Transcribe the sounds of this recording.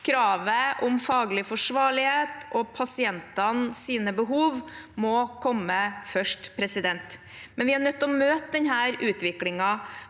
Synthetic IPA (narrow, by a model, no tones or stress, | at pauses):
kʰɾɑːʋəʔʊmfɑːɡlɪfɔʂʋɑːɭɪheːt̪ʔɔpʰɑsɪɛnt̪ɑnsiːnəbəɦuːʋmɔkʰɔmːəfœʂʈpʰɾɛsɪd̪ɛnt̪ | mɛnʋɪhɑɳœt̪ːɔmøːt̪əd̪ɛɲɦæːɾʉːt̪ʋɪklɪŋɑ